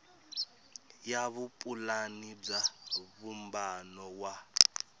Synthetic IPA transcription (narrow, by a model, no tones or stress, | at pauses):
jaβupʼulanib͡ʐaβumbanɔwa